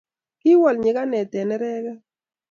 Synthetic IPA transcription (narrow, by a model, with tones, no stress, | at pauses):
kɪ˦wɔ˨lɲɪ˨ka˦nɛ˨tɛ˨nɛ˦ɾɛ˦kɛ˦